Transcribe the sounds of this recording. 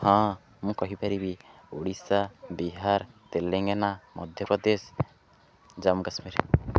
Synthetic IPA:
hã | mũkɔɦipaɾibi | oɽisabiɦaɾt̪elːɛŋɡenamɔd̪ʱjɔpɾɔd̪es | d͡ʒamuɡasmiɾ

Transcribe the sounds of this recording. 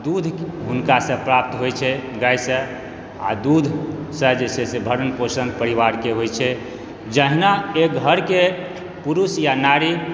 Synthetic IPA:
d̪ud̪ʱɦunkasə̃pɾap̚t̪ɦojt͡ʃʰɛɡajsə̃ | a̰d̪ud̪ʱsə̃d͡ʒesesẽbʱəɾənposə̃ŋɡpəɾiβaɾkeɦojt͡ʃʰɛ | d͡ʒəɦnaeɡʱəɾke | puɾusjanaɾi

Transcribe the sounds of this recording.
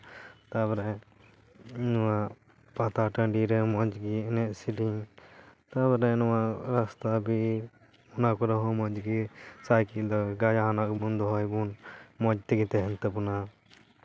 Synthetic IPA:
t̪abɔɾɛ | inɔwaʔ | pat̪aʈəɳɖiɾɛmɔd͡ʒɡiɛnɛʔsiʈi | t̪abɔɾɛnɔwaʔɾast̪abi | unakɔɾɔɦɔmɔd͡ʒɡisajkiʔd̪ɔɡad͡ʒanak̚bund̪ɔɦɔjbunmɔd͡ʒt̪ɛɡit̪ɛɦɛnt̪ɛpuna

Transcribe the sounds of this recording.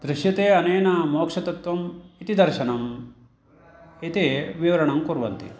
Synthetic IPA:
d̪̥ɾɪʃjɐt̪eːɐneːnɐmoːkʂɐt̪ɐt̪ʋɐmit̪id̪ɐɾʃɐnɐm | it̪eʋiʋɐɾɐɳɐmkuɾʋɐnt̪ḭ

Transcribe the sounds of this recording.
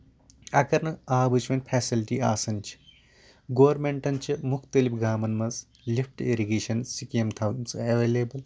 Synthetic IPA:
ɐkɐɾnɨaːbɨt͡ʃʰʋɐnʲpʰɛːsilʈiːaːsɐnʲt͡ʃʰi̥ | ɡoːɾmeɳʈɐnʲt͡ʃʰimukʰt̪ɐlipɡaːmɐnmɐz | lʲifʰʈeɾiɡeːʃɐnsikiemt̪ʰɐʋnsɐʋeːleːbɐl

